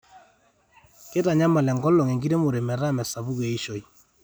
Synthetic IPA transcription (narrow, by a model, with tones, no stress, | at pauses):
ke˦ta˨ɲa˦ma˨lɛ˨ŋɡɔ˦lɔ˨ŋɛ˨ŋɡi˦ɾe˦mo˨ɾe˨mɛ˨ɾa˦˨mɛ˨sa˨βu˦ɣe˨i˦ʃɔ˨i˨